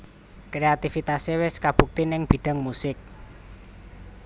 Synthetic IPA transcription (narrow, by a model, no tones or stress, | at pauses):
kɾeat̪ifit̪asewɪskab̥ṳk̚t̪inɪŋb̥i̤ɖ̥a̤ŋmusɪk̚